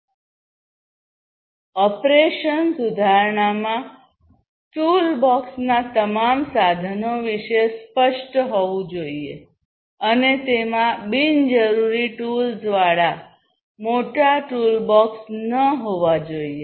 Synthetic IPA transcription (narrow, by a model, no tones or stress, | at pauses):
ɔpɾeʃənsʊd̪ʱaɾɳamã | ʈulbɔksnat̪əmamsad̪ʱənoʋiʃespəʃʈɦoʋũd͡ʒoie | ənet̪emãbind͡ʒəɾuɾiʈulzʋaɽa | moʈaʈulbɔksnəɦoʋad͡ʒoie